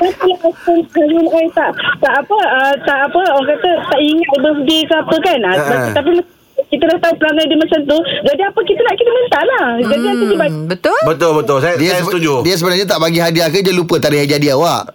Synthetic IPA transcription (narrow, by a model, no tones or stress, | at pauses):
ast̪əlamakanalunaʔat̪aʔt̪aʔapəət̪aʔapəŋkat̪ət̪aʔiŋat̪̚bəs̬ədikəapəkanaat̪ap̬ima | kit̪əlaht̪aupəlaŋajdimat͡ʃamt̪ud͡ʒadiapəkit̪ənaʔkit̪əmənt̪aʔlahd͡ʒadiak̪ədibabət̪ʊlbət̪ʊlbət̪ʊlsadiat̪ud͡ʒudiəs̬əbənarɲat̪aʔbaɡiɦadiakəd͡ʒalupət̪aɾɪhadiɦadiawaʔ